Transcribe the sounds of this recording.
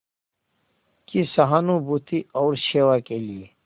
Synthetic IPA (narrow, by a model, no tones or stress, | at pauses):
kisɐɦanũbut̪ʰiɔːɾɕeːwakelie